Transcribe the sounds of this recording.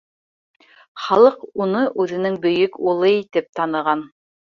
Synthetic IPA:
χɑlˠɤqunɤʔʉðɘ̆nɘŋbɵ̆jɵkulˠɤit̪ɘp̚t̪ɑnɤ̆ʁɑn

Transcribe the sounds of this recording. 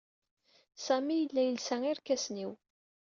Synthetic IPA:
sæmijəlːæjəlsæŋiɾkːæsniw

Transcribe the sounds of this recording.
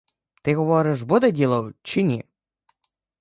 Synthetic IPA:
t̪ɪɦɔʋɔɾɪʃbɔd̪ɛdʲilˠɐwt͡ʃɪnʲi

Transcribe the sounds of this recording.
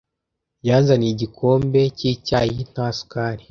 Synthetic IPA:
jaːnzaniɟikʰo̞ːmbe̞ciːcajin̥hasu̥kaːɾi

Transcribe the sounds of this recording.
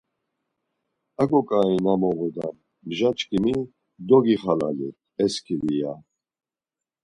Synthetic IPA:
aɡɔkʼainamɔɣud̪an | bʒat͡ʃʼkʰʼimi | d̪ɔɡiχala̰lḭ | ɛskʰivija

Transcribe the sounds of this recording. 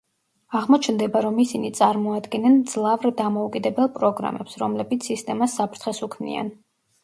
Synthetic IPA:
aʁmɔt͡ʃʰnd̪ɛbaɾɔmisinit̪sʼaɾmɔad̪ɡɛnɛnd̪z̥lˠavɾd̪amɔukʼid̪ɛbɛlˠpʼɾɔɡɾa̰mɛpsɾɔmlɛbit̪sʰist̪ʼɛmasːapʰɾt̪ʰχɛsukʰvnḭa̰n

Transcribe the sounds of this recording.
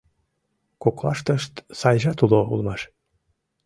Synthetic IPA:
koklɑ̰ʃt̪əʃt̪sɑjʒɑt̪uloṵlmɑʃ

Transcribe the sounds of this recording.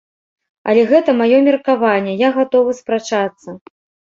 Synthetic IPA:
ɐ̰lʲɛɣɛt̪ɐmajɔmʲɛrkavanʲːɛjaɣat̪ɔvɨspɾat͡ʂat̪sːɐ

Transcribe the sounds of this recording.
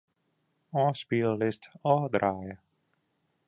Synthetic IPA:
ɔ̃spilːɪstɔd̪ɾaj

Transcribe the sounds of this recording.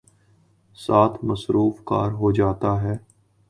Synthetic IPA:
saːt̪ʰmɐsɾʔuːfka̰ːɾɦod͡ʒaːt̪aɦɛː

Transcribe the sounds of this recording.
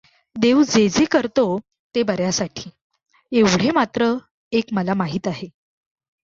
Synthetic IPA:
d̪eʋd͡zed͡zekəɾt̪o | t̪ebəɾjasaʈʰiː | eʋɽ̤emat̪ɾə | ekməlamaɦiːt̪aɦe

